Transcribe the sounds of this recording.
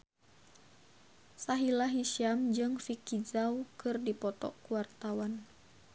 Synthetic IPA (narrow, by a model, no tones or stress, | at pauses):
saɦilaɦiʃiamd͡ʒɨŋfikizaukɨrdipɔt̪ɔ̰kuwart̪awan